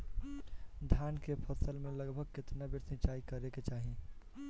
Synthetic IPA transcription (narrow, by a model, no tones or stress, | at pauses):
d̪ʱjaːnkepʰəsəlmẽləɡbʱəɡ̚kɪt̪nabɪɾsɪ̃t͡ʃaːikəɾeket͡ʃaːɦi